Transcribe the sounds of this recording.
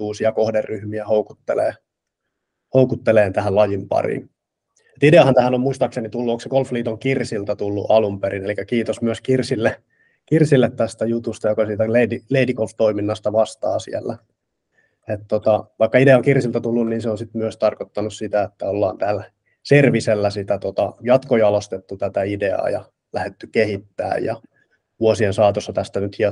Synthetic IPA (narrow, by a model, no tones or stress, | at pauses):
uːsiɑkohderːyhmiæhoukut̪ːelḛː | houkut̪ːeleːnt̪æhællɑjimpɑ̰rḭn | et̪ideɑhɑnt̪æhænommuist̪ɑksenit̪ulːuoŋksekolfliːt̪oŋkirsilt̪ɑt̪ulːṵʔɑlumpeɾinelikːækiːt̪osmyøskirsilːe | kirsilːet̪t̪æst̪æjut̪ust̪ɑjokɑsiːt̪æleidileidikolft̪oiminːɑst̪ɑʋɑst̪ɑːsḭelːæ | et̪t̪ot̪ɑʋɑikːɑideɑoŋkirsilt̪ɑt̪ulːunniːnseonsit̪myøst̪ɑrkot̪ːɑnussit̪æet̪ːæolːɑ̰ːnt̪æːl | serʋiselːæsit̪æt̪ot̪ɑjɑt̪kojɑlost̪et̪ːut̪æt̪æideɑ̰ːjɑ̰ | læhet̪ːykehit̪ːæ̰ːjjɑ̰ | ʋuosiensɑːt̪osːɑt̪æst̪ænyt̪hiɑ